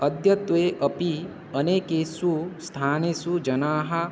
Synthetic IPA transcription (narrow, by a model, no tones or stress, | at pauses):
əd̪ʱjɐt̪ʋeːʔɐpi | əneːkesust̪ʰaːnesud͡ʒɐnaːɦɐ